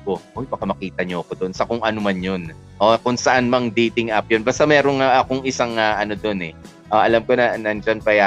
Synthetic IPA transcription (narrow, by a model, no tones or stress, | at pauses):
koʔojbɐkɐmɐkiːt̪ɐɲoʔɐko̞d̪oʔonsɐkʊŋʔɐnʊmanjon | ʔokʊŋsɐʔanmɐŋd̪iːt̪ɪŋʔɐp̚jonbaːst̪amɛːɾoŋaʔɐkoŋɪsaŋaʔɐno̞d̪o̞nɛ | ʔoʔɐlɐmko̞nɐnɐnd͡ʒɐnpɐja